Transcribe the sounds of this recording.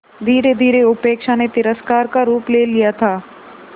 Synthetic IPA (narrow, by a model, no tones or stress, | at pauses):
d̪ʱiːɾed̪ʱiːɾeʊpeːkʃanet̪ɪɾəskaːɾkaɾuːpleːlijat̪ʰaː